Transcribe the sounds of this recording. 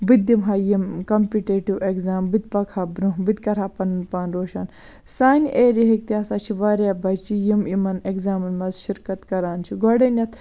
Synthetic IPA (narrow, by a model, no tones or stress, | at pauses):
bɨd̪ʲimɦɐːjimkɐmpiʈeːʈiwʔekzaːmbɨd̪̚ʲpɐkʰaːbɾuɦbɨd̪ʲkɐɾaːpɐnɨnpaːnɾoːʃaːn | saːnʲʔeːɾiɦekt̪iɐsaːt͡ʃʰiʋaːɾabɐt͡ʃijimimɐnekzaːmɐnmɐzʃiɾkɐt̪kɐɾaːnt͡ʃʰiɡoɽɐnʲɐt̪ʰ